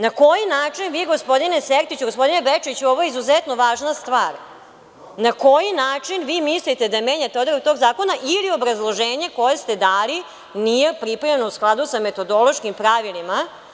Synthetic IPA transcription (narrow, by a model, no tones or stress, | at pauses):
nako̞jinaːt͡ʂinʋiːɡo̞spo̞d̪ineseɾt̪it͡ɕuɡospo̞d̪inebet͡ʃit͡ɕuoʋojeizuzɛt̪no̞ʋaːʒnast̪ʋaːɾ | nako̞jinaːt͡ʂinʋiːmislit̪e̞d̪ameːɲat̪eod̪aɾok̚t̪o̞ːɡzaːko̞naʔilio̞bɾazlˠo̞ʒeːɲe̞ko̞je̞st̪e̞d̪aːli | nije̞pɾipaʎenousklˠad̪usame̞t̪o̞d̪o̞lo̞ʃkimpɾaʋilima